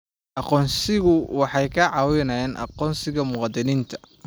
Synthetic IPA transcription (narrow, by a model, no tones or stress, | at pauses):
ʔɑqɔːnsɪɣʊwɑħɑjkʰɐʕɑːwɪnɐjɛːnʔɑ̰qɔːnsɪɣɐmʊqɑd̪ɪniːnt̪ʰɐ̥